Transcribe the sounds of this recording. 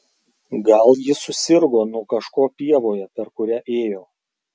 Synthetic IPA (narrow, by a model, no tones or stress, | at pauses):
ɡɐlˠjɪsʊsʲɪɾɡoːnʊɔkɐʃkoːpʲiɛʋoːjɛpʲɛɾkʊɾʲɛʔeːjoː